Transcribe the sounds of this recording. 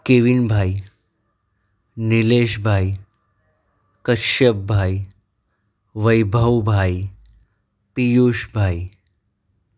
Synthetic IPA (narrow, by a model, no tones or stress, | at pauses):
keːʋinbʱaːi | nileːʃbʱaːi | kɐʃɐbbʱaːi | ʋɐjbʱɐwbʱaːi | pijoːʃbʱaːi